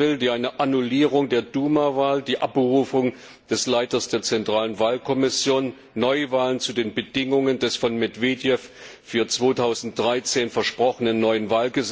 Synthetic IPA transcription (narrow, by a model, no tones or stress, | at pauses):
ɪldiːʔaɪnəʔanuliːʁ̞ʊŋdeːɐduːmavaːldiːʔap̚b̥əʁuːfʊŋ | d̥ɛslaɪtɐsd̥eːɐt͡sɛntʁ̥aːlənvaːlkʰɔmɪsjoːnː | ɔʏvaːlənt͡sudeːnbəd̥ɪŋʊŋəndɛsfɔnmɛdv̥eːdjɛffyːɐt͡sv̥oːtʰaʊzn̩t̚d̥ʁaɪt͡seːnfɛɐʃpʁ̥ɔχənənːɔʏənvaːlɡəz